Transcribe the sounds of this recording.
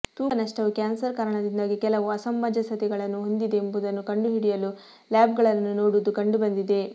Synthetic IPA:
t̪uːɐnɐʂʈɐʋukaːnsɐɾkaːɾɐɳɐd̪ind̪aːɡikɛlɐʋuɐsɐmːɐd͡ʒɐsɐt̪ɛɡɐɭɐnːuɦo̞nd̪id̪eːmbud̪ɐnːukɐɳɖuɦiɽijɐlu | laːbɡɐɭɐnːunoːɽud̪ukɐɳɖubɐnd̪id̪e̞

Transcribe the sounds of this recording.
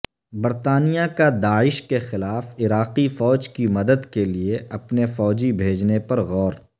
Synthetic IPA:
bɐɾt̪aːnijakad̪aːɪʃkexɪlaːfɪɾaːqifɔːd͡ʒkimɐd̪əd̪kelieʔɐpnefɔːd͡ʒibʱeːd͡ʒnepɐɾɣɔːɾ

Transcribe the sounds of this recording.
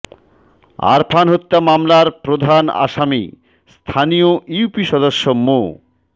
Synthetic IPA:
a̰ɾpʰanɦot̪ːamamlaɾpɾod̪ʱana̰ʃamḭ | st̪ʰanioiupiʃɔd̪oʃːomo

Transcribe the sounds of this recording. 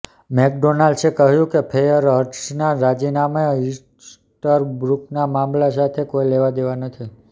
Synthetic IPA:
mɛk̚ɖonalɖsekəɦjũkepʰejəɾəɾʈsnaɾad͡ʒinameis | ʈəɾbɾuknamãmlasat̪ʰekoileʋad̪eʋanət̪ʰi

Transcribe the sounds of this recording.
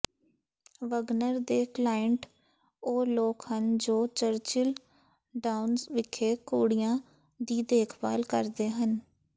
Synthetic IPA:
ʋəɡnəɾd̪eːklaːəɳʈ | oːloːkhənd͡ʒoːt͡ʃəɾt͡ʃɪl | ɖaːʊnzʋɪkʰːeːkoːɽijãː | d̪iːd̪eːkʰba̰ːlkə̰ɾd̪eːɦən

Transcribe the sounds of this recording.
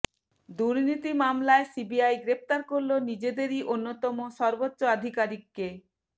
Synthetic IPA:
d̪uɾnit̪imamlaesibiajɡɾep̚t̪aɾkoɾlonid͡ʑed̪eɾiʔonːot̪ɔmoʃɔɾbotːɕoad̪ʱikaɾikːe

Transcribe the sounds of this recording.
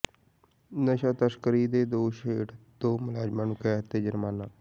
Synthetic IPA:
nəʃaːt̪əʃkəɾiːd̪eːd̪oːʃeːʈd̪oːmʊlaːd͡ʒmaːnʊkɛːt̪eːd͡ʒəɾmaːnaː

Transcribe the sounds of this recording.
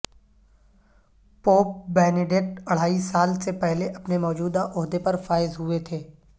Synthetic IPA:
poːp̚bɛːneɖeʈɐɽ̤aːisaːlsepɛɦleʔɐpnemɔːd͡ʒuːd̪aʔʊɦd̪epɐɾfaːɪzɦʊet̪ʰeː

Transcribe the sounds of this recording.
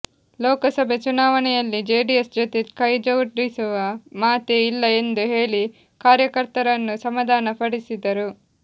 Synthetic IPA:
lɔːkɐsɐbʱet͡ʃunaːʋɐnɛjɐlːid͡ʒeːɖijesd͡ʒot̪ekɐjd͡ʒɐwuʈɾisuʋɐmaːt̪eilːɐend̪uɦe̞ːɭi | kaːɾjɐkɐɾt̪ɐɾɐnːusɐmɐd̪ʱaːnɐpɐɽisid̪ɐɾu

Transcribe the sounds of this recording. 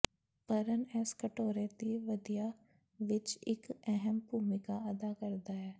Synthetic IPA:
pəɾənɛːskəʈoːɾẽːt̪iːʋəd̪ijaː | ʋɪt͡ʃɪkɛɦəmbʱuːmɪkaːəd̪aːkəɾd̪aːɛː

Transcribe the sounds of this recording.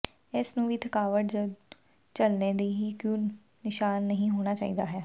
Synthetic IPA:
ɪːsnũːʋiːt̪ʰəkaːʋəʈd͡ʒə | t͡ʃəlneːd̪eːɦiːkjõː | nɪʃaːnːəɦĩːɦoːɽ̃aːt͡ʃa̰ːḭːd̪aːɦɛː

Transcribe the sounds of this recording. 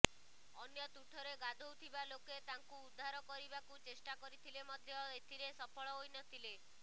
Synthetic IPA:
ɔnjɔt̪uʈʰɔɾeɡad̪ʱowt̪ʰibaloket̪aŋkuːd̪ʱːaɾɔkɔɾibakut͡ʃesʈakɔɾit̪ʰilemɔd̪ʱjɔet̪ʰiɾesɔpʰɔɭɔɦojnɔt̪ʰile

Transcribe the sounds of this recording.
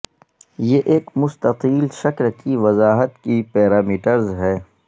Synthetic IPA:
jeːʔeːkmʊst̪ɐqiːlʃɐklkiʋɐzaːɦət̪kipɛːɾaːmiːʈəɾzɦɛː

